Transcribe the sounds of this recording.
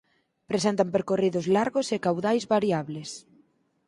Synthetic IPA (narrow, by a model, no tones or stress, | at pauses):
pɾesent̪ampeɾkoriðʊzlaɾɣosekawðajzβaɾjaβles